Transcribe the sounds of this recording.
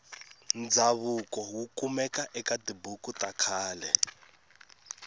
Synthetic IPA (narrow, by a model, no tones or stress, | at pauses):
nd͡zaβukʼɔɦukʼumɛkaʔɛkʼadibukutʼakʰaːlɛ